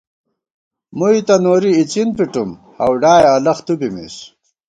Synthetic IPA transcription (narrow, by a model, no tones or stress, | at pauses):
muit̪ɐnoːɾiːt͡ɕinpiʈum | hɐwɖaːjɐlɐχt̪ubimḭs